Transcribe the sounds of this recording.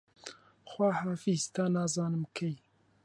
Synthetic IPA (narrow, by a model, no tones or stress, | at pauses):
xwaːhaːfist̪ʰaːnaːzɑːnɨmkʰej